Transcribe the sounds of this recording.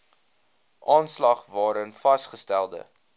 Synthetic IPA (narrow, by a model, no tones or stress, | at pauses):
ʔɑːnslɐχvɑːɾənfɐsχəstælˠdə̰